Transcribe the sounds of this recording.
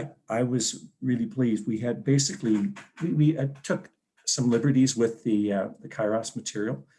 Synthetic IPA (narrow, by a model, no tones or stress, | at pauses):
ʔaɪwʌzɹɪlˠipʰl̥izd̚wiɨd̚beɪsɨkliwiwitʰʊk | sʌ̃mlɪbə˞ɾizwɪðɨðɨkʰaɪɹɑsmɨtʰɪɹil̩ˠ